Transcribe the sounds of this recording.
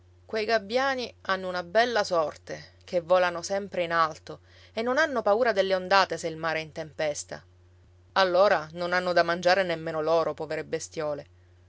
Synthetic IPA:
kwejɡabːjaːnianːounabɛlːasɔrt̪e | k̟evːɔːlanosɛmpɾeinalt̪o | enːonanːopauːɾad̪elːeond̪aːt̪eseilmaːɾeint̪empɛst̪a̰ | alːoːɾanonanːod̪amːand͡ʒaːɾenemːeːnolɔːɾopɔːveɾebːest̪jɔːle

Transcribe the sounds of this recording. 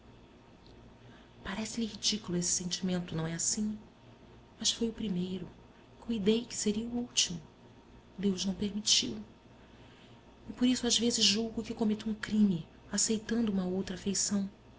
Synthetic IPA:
paɾɛsɪlihid͡ʒikulʊesɪ̥sẽnt͡ʃimẽnt̪ʊnɐ̃w̃ɛasĩ | mɐsfojʊpɾimejɾʊ | kuid̪ejkɪ̥seɾiɐuuwt͡ʃimʊ | d̪ewʒnɐ̃w̃peɾmit͡ʃḭw | ɪpoɾisʊazvezɪzʒuwɡʊkɪkomet̪uũkɾĩmɪ | asejt̪ɐ̃nd̪ʊũmɐowt̪ɾafejsɐ̃w̃

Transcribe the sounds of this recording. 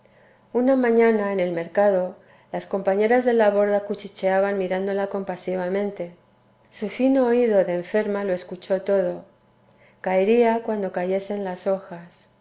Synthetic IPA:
unamãɲãnaene̞lme̞ɾkaðo̞ | lasko̞mpaɲe̞ɾazðe̞laβo̞ɾðakut͡ʃit͡ʃe̞aβanmiɾand̪o̞lako̞mpasiβ̞amẽ̞nt̪e̞ | sufinoːiðo̞ðe̞ːɱfe̞ɾmalo̞e̞skut͡ʃo̞t̪o̞ð̞o̞ | kaeɾiakwand̪o̞kaʝe̞senlaso̞xas

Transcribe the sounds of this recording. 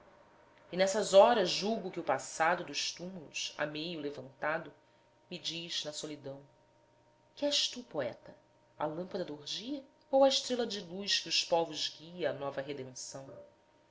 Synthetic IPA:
inɛsɐzɔɾɐzʒuɡʊkɪʊpasad̪ʊd̪ʊʃt̪umulṵsa̰mejʊlevɐ̃nt̪ad̪ʊ | mid͡ʒiʒ̥nɐsolid̪ɐ̃w̃ | kɪɛʃt̪upoɛ̰t̪ɐ | ɐ̰lɐ̃mpɐd̪ɐd̪oɦʒiɐ | owɐɪʃt̪ɾelɐd͡ʒɪlujʃkɪʊʃpɔvʊʒɡiɐɐnɔvɐɦed̪ẽnsɐ̃w̃

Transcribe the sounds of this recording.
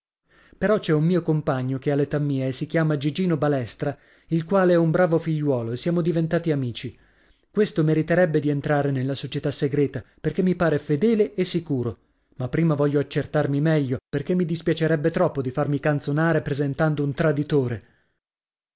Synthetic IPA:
peɾɔt͡ʃɛumːiːokompaɲːokealːet̪amːiːeesːikjaːmad͡ʒid͡ʒiːnobalɛst̪ɾa | ilkwaːleɛumbɾaːvofiʎːwɔːloesːjaːmod̪ivent̪aːt̪iamiːt͡ʃi | kwest̪omeɾit̪eɾɛbːed̪ient̪ɾaːɾenelːasot͡ʃet̪asːeɡɾɛːt̪aperkemːipaːɾefed̪ɛːleːsːikuːɾo | mapːɾiːmavɔʎːoat͡ʃːert̪armimɛʎːoperk̟emːid̪ispjat͡ʃeɾɛbːet̪ɾɔpːod̪ifarmikant̪sonaːɾepɾezent̪and̪ount̪ɾad̪it̪oːɾe

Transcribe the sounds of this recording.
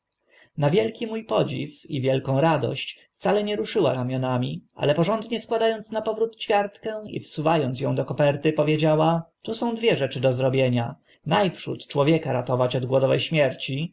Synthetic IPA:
navʲjɛlkʲimujpɔd͡ʑḭfḭvʲjɛlkɔ̃w̃ɾad̪ɔ̰ɕt͡ɕft̪salɛɲɛɾuʂɘwa̰ɾamʲjɔnamʲiʔa̰lɛpɔʐɔnd̪ɲɛskwad̪ajɔnt̪snapɔvɾut̪t͡ɕfʲjaɾt̪kɛ̃ḭfsuvajɔnt̪sjɔ̃w̃d̪ɔkɔpɛɾt̪ɘpɔvʲjed͡ʑawat̪usɔ̃w̃d̪vʲjɛʐɛt͡ʂɘd̪ɔzɾɔbʲjeɲa | najpʂṵt̪t͡ʂwɔvʲjɛkaɾat̪ɔvat͡ɕɔd̪ɡwɔd̪ɔvɛ̰jɕmʲjɛɾt͡ɕi

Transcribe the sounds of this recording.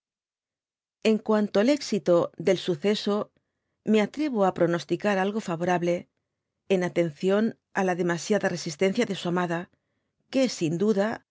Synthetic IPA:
e̞ŋkwant̪oale̞ksit̪oðe̞lsuθe̞so̞ | me̞at̪ɾe̞β̞oapɾo̞no̞st̪ikaɾalɣo̞faβo̞ɾaβle̞ː | nat̪e̞n̟θjo̞n | alaðe̞masjaðare̞sist̪e̞n̟θjaðe̞suamaða | kesind̪uða

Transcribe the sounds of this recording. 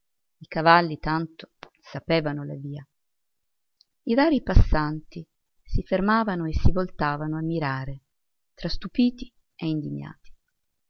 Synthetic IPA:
ikavalːit̪ant̪o̥ | sapɛːvanola̰viːa | iraːɾipasːant̪i | sifermaːvanoesːivolt̪aːvanoamːiɾaːɾe | t̪ɾast̪upiːt̪i | eind̪iɲːa̰ːt̪i̥

